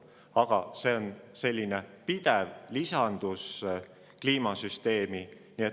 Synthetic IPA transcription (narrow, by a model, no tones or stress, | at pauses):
ɑɡ̥ɑse̞o̞nse̞lʲːinepid̪̥ɛvlisɑnd̪̥us | kliːmɑsyst̪e̞ːminiːe